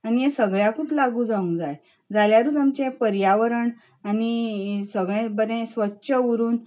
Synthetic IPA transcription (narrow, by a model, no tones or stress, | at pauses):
anijesəɡɭjakuʈlaɡuːd͡zaũnd͡zaj | d͡zaljaɾuːd͡zamt͡ɕẽpəɾjaʋəɾəɳ | anisəɡɭẽbəɾɛ̃sʋətːɕəʋuɾuːn